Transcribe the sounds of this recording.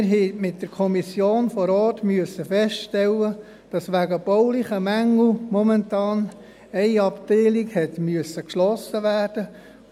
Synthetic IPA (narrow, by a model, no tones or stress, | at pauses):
ɪɾɦɛɪmɪt̚d̥əɾkʰɔmisjoːnfɔɾɔːtmyəsːəfɛstʃtɛlːə | d̥ɑsʋæɡəb̥ɔʊlɪχəmæŋl̩mɔmɛntɑːn | ɛɪɑpteɪlɪkhɛtmyəsəkʃlɔsəʋæːrd̥ə